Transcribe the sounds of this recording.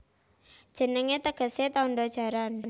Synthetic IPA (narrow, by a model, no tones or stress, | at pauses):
d̥ʒ̥ə̤nəŋet̪əɡ̥ə̤set̪ɔnɖɔd̥ʒ̥a̤ɾann